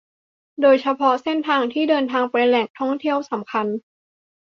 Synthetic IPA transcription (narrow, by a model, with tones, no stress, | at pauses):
doː˧jt͡ɕʰa˧pʰɔ˦˥se˥˩nt̪ʰaː˧ŋt̪ʰiː˥˩dɤː˧nt̪ʰaː˧ŋpa˧jlɛ˨˩ŋ̚t̪ʰɔ˥˩ŋt̪ʰi˥˩əwsa˩˦mkʰa˧n